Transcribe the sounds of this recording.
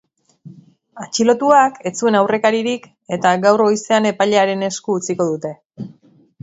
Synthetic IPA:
at͡ʃilo̞t̪uakʰe̞t͡sue̞nawre̞kaɾiɾik | e̞t̪aɡawro̞jse̞ane̞paʎeaɾe̞ne̞skuːt͡siko̞ðut̪e̞

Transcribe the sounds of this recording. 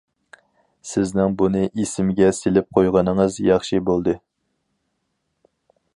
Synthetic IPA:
sɪznɪŋbunɨʔisɪmɪɡʲɛselɪp̚qʰojʁɑnɨŋɨzjɑχʃibolˠd̪ɨ

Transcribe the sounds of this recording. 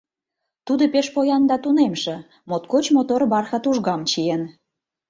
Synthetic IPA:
t̪ud̪opeʃpojɑnd̪ɑt̪unemʃĕ | mot̪̚kot͡ɕmot̪orbɑrxɑt̪uʒɣɑmt͡ɕien

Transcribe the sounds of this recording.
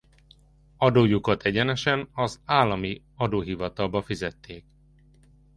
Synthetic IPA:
ɒd̪oːjukɒt̪ɛɟɛnɛʃɛnɒzaːlːɒmi | ɒd̪oːɦivɒt̪ɒlbɒfizɛt̪ːeːk

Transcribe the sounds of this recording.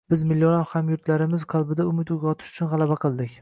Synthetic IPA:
b̥ɪzmɪlːjonafhamjʊɾt̪laɾɪmɪzqʰɑlˠbɪd̪aʊmɪt̪ʊɡʲɒt̪ʰɪ̥ʃʊ̥t͡ʃʰʊnʁɑlˠabaqʰɨlˠd̪ɪkʲ

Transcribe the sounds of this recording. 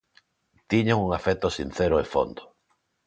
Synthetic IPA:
t̪iɲoŋuŋafet̪osin̟θeɾoefo̰nd̪o̥

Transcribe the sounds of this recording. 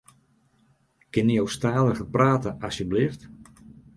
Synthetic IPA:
kɪnjowstaːləɣəpraːtəɑsjəblift

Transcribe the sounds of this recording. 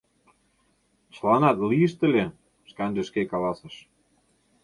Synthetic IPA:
t͡ɕlɑnɑt̪liəʃt̪ə̆lʲe | ʃkɑnʒĕʃkekɑlɑsɤ̆ʃ

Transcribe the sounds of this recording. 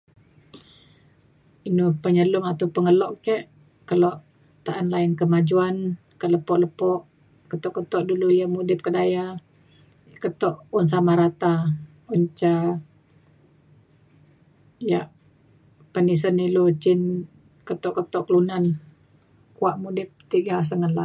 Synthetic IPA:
inupəɲəlʊŋat̪upəŋəlɔʔkɛʔ | kəlɔʔ | t̪aʔanlaɪnkəmad͡ʒuan | kələpɔʔləpɔʔ | kət̪ɔʔkət̪ɔʔdulujaʔmudɪp̚kədaja | kət̪ɔʔuns̬amaɾat̪a | uɲt͡ʃa | jaʔ | pənis̬ənilut͡ʃɪn | kət̪ɔʔkət̪ɔʔkəlunan | kuaʔmudɪp̚t̪iɡas̬əŋəlaʔ

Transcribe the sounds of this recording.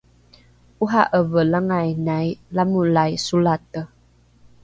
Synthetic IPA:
uɦaʔəvəlaŋajnajlamulajsulatə

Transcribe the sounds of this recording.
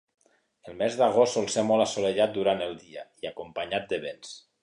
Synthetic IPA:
əlˠmɛzðəɣostɔlˠsemɔlˠasoleʎat̪̚d̪uɾanəlˠd̪iə̰iakumpəɲat̪̚d̪əβens

